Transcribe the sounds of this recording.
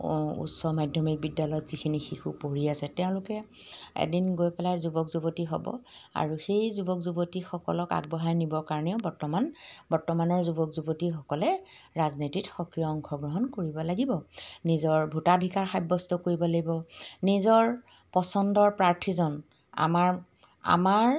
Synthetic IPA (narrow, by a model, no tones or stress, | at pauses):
ṵtsɔmajdʱjɔmik̚bidːalɔjɔtz̥ikʰinixixupoɹiasɛteʊ̃lʊkɛ | ḛdinɡojpɛlajzubɔkzubotiɦɔ̰bɔ̰a̰ɹuxejzubɔkzubotixɔkɔ̰lɔka̰ɡ̚bɔɦajnibɔɹkaɹɔnɛʊbɔɹtɔmanbɔɹtɔmanɔɹzubɔkzubotixɔkɔlɛɹaznititxɔkɹijɔɔŋkʰɔɡɹɔɦɔnkoɹibɔlaɡibɔnizɔɹbʱutabʱikaɹxajbːɔstɔkoɹibɔlaɡibɔnizɔɹ | pɔsɔndɔɹpɹaɹtʰizɔn | a̰maɹ | a̰maɹ